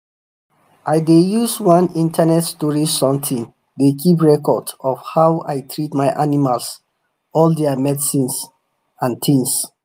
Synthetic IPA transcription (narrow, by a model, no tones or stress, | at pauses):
ʔajdejuswãnĩntʰanɛtstɔɹisɔ̃mtʰĩn | dekip̬ɹɛkɔdɔfhawajtʰɹitmaɪʔanimals | ɔldɛamɛdsĩns | ãntʰĩŋs